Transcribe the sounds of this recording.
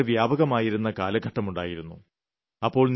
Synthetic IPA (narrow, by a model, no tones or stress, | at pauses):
eʋjaːbɐɣɐmaːjiɾunːɐkaːlɐɡʱɐʈːɐmuɳɖa̰ːjiɾunːṵ | ɐpːo̞ːɭn